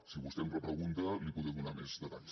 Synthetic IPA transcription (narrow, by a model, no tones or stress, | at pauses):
siβust̪ɛmrəpɾəɣunt̪alipuðɛmunamezðət̪aʎs